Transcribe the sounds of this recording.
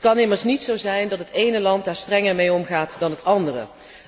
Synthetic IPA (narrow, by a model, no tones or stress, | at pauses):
tkɑnɪməɹsnitsowzɛjndɑtɦətejnəlɑnt̚daːɹstrɛŋəɹmejɔmχaːtdɑnɦətɑndərə̰